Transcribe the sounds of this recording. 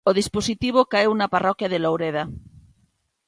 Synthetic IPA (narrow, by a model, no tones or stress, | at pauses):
oð̞isposit̪iβ̞okaewnaparɔkjaðelowɾeða